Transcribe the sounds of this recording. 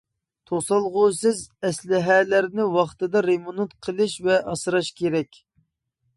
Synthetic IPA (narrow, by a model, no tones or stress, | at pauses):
t̪ʰosɑlˠʁʊsɪzɛslɪɦɛlæɾnɪwɑχt̪ɨd̪ɑɾemunut̪qʰəlˠɨʃvɛʔɑsɾɑʃkʲʰeɾɛkʲ